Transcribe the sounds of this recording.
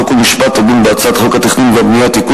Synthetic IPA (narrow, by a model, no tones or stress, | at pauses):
okulmiʃpat̪ːadimbeat͡sat̪χokat̪eχninveabnijat̪iku